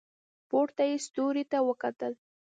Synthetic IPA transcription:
poɽt̪ajest̪oɾet̪awəkat̪əl

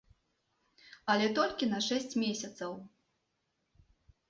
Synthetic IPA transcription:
ɐlʲɛt̪ɔlʲkʲinɐʂɛsʲt͡sʲmʲesʲɐt̪sɐw

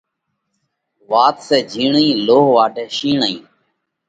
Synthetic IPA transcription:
ʋaːt̪sɛːd͡ʒʱiːɳĩːloːɦʋaːɖʱɛːʃiːɳəḭ̃ː

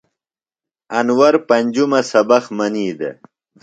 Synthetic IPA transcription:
ɐnwɐɾpɐnʲd͡ʑumɐsɐbɐxmɐniːd̪ḛ

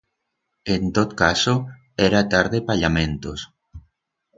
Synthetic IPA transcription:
ent̪ot̪kaso | ɛɾat̪aɾðepaʎamẽnt̪os

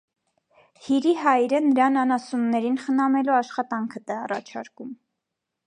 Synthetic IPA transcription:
hiɾiɦɑjɾənəɾɑnɑnɑsunːɛɾinχənɑmɛluɑʃχɑt̪ɑŋkʰət̪ɛɑrɑ̰t͡ʃʰɑ̰ɾkum

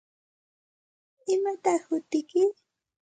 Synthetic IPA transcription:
ɪmat̪ɑχhʊt̪ɪkɪ

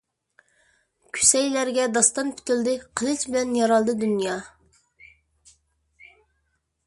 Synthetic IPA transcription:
kʲʰy̥sɛjlæɾɡʲɛd̪ɑst̪ɑnpʰy̥t̪yld̪ɪqʰəlˠɨt͡ʃbɪlɛnjɑɾɑlˠd̪ɨd̪ynjɑ

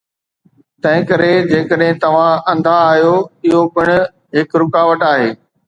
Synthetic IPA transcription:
t̪ɐ̃ɦɪ̃kəɾed͡ʑeːkəɗɦɪ̃t̪ɐʋ̤ãɐ̃nd̪ʱaːɦjoɪɦobɪɽ̃ | ɦɪkɾʊkaːʋəʈaːɦeː

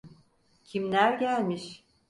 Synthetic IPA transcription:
cʰimlʲæɾɟælʲmiʃ

